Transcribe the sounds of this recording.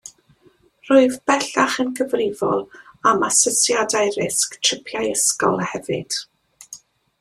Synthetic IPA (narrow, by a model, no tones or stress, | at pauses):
rʊɨðbɛɬaχənkʰəvrɪvɔ̰lˠamasɔsjadajrɪsktʰrɪpʰjajəskɔ̰lˠhɛvɨ̰d̥